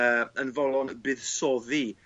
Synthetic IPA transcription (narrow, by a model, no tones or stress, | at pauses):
əənvɔlˠɔnbɨːðsɔði